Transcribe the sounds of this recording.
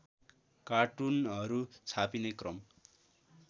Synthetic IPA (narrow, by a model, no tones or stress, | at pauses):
kaʈunʌɾut͡sʰapinekrʌm